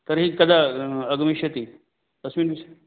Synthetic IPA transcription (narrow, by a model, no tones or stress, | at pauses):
t̪ɐɾɦikɐd̪aɐɡmiʃɐt̪i | ɐsmiːnbis